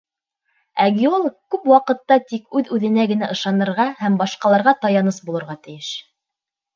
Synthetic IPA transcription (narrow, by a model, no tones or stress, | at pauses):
æɡʲiolˠkkʉpwɑqɤ̆t̪ːɑt̪ikʉðʉðɘ̆næɡɘ̆næʔɤ̆ʃɑnɤ̆ɾʁɑhæmbɑʃqɑlˠɑɾʁɑt̪ɑjɑnɤsbulˠɤ̆ɾʁɑt̪ɘ̆jɘʃ